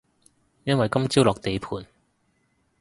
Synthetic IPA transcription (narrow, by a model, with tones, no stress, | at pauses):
jɐ˥nwɐ˨jkɐ˥mt͡siː˥wlɔː˨k̚t̪e˨jpʰuː˨˧n